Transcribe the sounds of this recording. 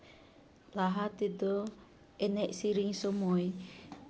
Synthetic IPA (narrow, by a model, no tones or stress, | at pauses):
laɦat̪id̪ɔ | ɛnɛʔsiɾiŋsɔmɔj